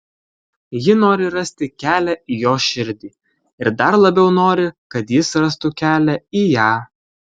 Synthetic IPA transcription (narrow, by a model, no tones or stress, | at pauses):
jɪnoːɾʲɪɾɐsʲt̪ʲɪkʲæːlʲæʔijoːʃʲɪɾʲd̪ʲiː | ɪɾd̪ɐɾlˠɐbʲɛʊnoːɾʲɪkɐt̪jɪsɾɐst̪ʊkʲæːlʲæiːjæː